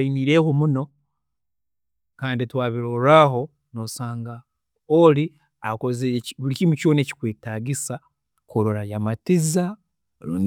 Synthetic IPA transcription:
iniːɾe̞homuno̞ | kaːnditwaːβiɾoɾaɦo̞ | nosaːŋɡa | oli | a̰kozeβulicimuconeci̥kweːtaɡisa | koɾoɾajamatiza | uː

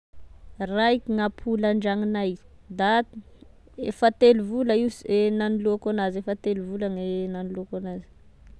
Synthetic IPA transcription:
raikʲiŋapʰulaɳɖ͡ʐaŋinajd̪at̪ | efat̪eluvulaisenaniluakanazefat̪eluvulaŋenaniluakanazi̥

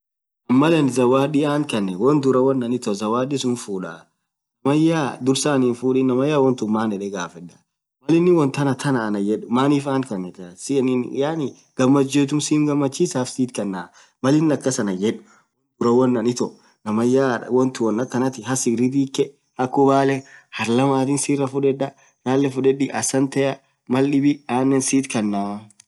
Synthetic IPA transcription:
ʔɐmːɐlɐnɪzɐwaːᶑɪaːŋkɐnːɛwɔnd̪ʊɾɐwɔnːɐnɪt̪ɔzɐwaːɗɪsʊnfuːᶑaː | nɐmɐjaːd̪ʊɾsaːniːnfuːᶑinɐmɐjːaːwɔnt̪ʊmːaːnɛᶑɛɡaːfɛᶑɐ̥ | mɐlɪnːɪwɔnt̪ɐnɐt̪ʰɐnɐːnɐd͡ʒɛᶑʊmaːniːfaːŋkɐnːɛt̪sɪnɪjanɪ | ɡ̥ɐmːɐd͡ʒeːt̪ʊnsiːmɡɐmːɐt͡ʃːiːsaːfsiːt̪kɐnːaː | mɐlɪnːɪɐkːɐsɐnɐd͡ʒɛᶑʊ̥ | ɡʊɾɐwɔnːɐnɪt̪ɔ | nɐmɐjaːɐ̰wɔnt̪ʊwɔnːɐkːɐnɐt̪ɪɦɐsɪɡɾɪt̪̬iːkːɛ | hɐkːʊbaːlɛhɐɾlɐmaːt̪ɪnsiːrːɐfʊᶑɛᶑːɐ | naːlːɛfʊᶑɛᶑɪʔɐsɐnt̪ɐjɐ | mɐlɗɪbɪaːnːɛnsiːt̪kɐnːaː

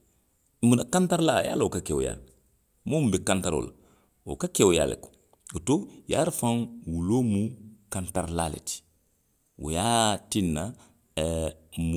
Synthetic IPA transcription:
munakantaɾlaja̰ːlaokakɛwoja̰lɛ | momubɛkantaɾo̰la | wo̰kakewja̰ːlɛ̰ko̥ | otojaɾfãŋwulomukãntaɾlalḛti̥ | wo̰jatinːa | m

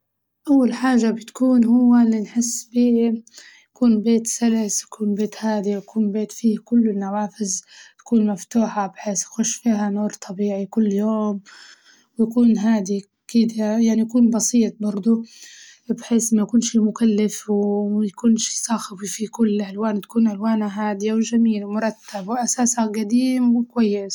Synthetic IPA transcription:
ʔawːalħaːʒabɪt̪kuːnɦʊwːaɪlːinħɪsːbiː | jakuːnbeːt̪salasjakuːnbeːt̪haːd̪iwjakuːnbeːt̪fiːkʊlːɪnːawaːfɪzt̪ḁkuːnmaft̪uːħabħeːsjaxʊʃfiːɦanuːɾt̪ˤʰɑbiːʕikʊlːjoːm | wjakuːnɦaːd̪i | kɪd̪ajaʕnijakuːnbɑsiːt̪̚bɑɾˤd̪ˤʊ | bħeːsmajkuːnʃiːmʊkalːɪfwmajakuːnʃi̥ːsˤɑːxɪbifikʊlːʔalwaːnt̪ḁkuːnʔalwaːnaɦaːd̪ijawɪʒamiːlwmʊɾˤɑt̪ːabwʔasaːsaɡad̪iːmwɪkwajːɪs

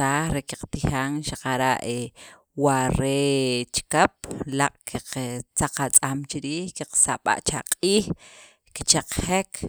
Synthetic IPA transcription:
aːχɾekiqt̪ixaːŋʃaqaɾaʔe | waɾet͡ʃkap̚laqʼkʰiqt͡saqat͡sʼamt͡ʃiɾiːhkiqsaɓa̰ʔt͡ʃaqʼiːx | ki̥t͡ʃaq͡χxek

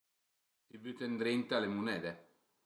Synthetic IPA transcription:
d̪ibyt̪end̪ɾent̪alemunɛd̪ɛ

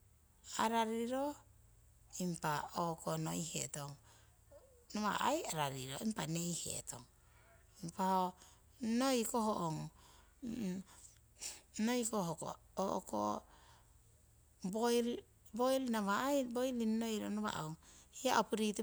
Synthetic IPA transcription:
aɾaɾiɾo | impaokonojhḛtoŋ | noβa̰ʔajaɾaɾiɾo̰impanejhe̞̰tʰo̰ŋ | impaho | nojkoɦoʔoŋ | nojkoɦoko̰ | oʔoko̰ | boj | bojlinaβaajbojlinːojɾonoβa̰ʔawŋhiaʔopuɾitu

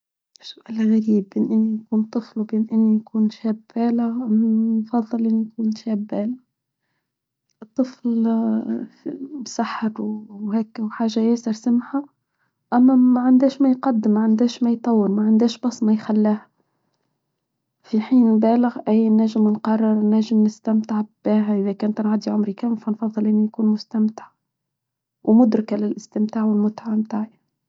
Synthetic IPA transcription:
ʃsʊʔælɣæɾiːbʔɪnʔɪnːijkuːnt̪ˤːɨflwbiːnʔɪnːijkuːnʃæːbbæːlɪɣmmfɑðˤːɨlʔɪnːijkuːnʃæːbːæːlɪɣ | ʔɨt̪ˤːɨfl | msaħːəɾwhɛːkwħaːʒːajæːsɪɾsamħa | ʔæmːæmæʕand̪æːʃmæjqɑd̪ːɪmːaʕand̪æːʃmæjt̪ˤɑwːəɾmæʕand̪æːʃbɑsˤːmæjxælːæːh | fiħiːnbæːlɪɣʔæjːnːæʒɪmnqɑrˤːɑɾˤnːæːʒɪmnɪst̪æmt̪ɪʕb̥æːɦæʔɪðækæːnt̪nʕad̪iʕʊmɾikæmfænfɑðˤːɨlʔɪnːinkuːnmʊst̪amt̪ɪʕ | wmʊd̪ɾkalɪlʔɪst̪ɪmt̪aːʕwɪlmʊt̪ʕamːt̪aːʕj

